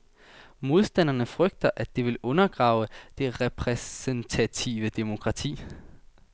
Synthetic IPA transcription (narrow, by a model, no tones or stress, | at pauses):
mo̝ð̞ˠsd̥æn̰ɐnəfʁœɡ̥̚d̥ɐʔæ̥e̝ʋe̝lɔ̽nɐɡ̥ʁɑ̈ːʊəd̥e̝ʁɛpʰʁɛsent͡sʰæt͡sʰiːʋəd̥e̝mo̝kʰʁɑ̈t͡sʰḭː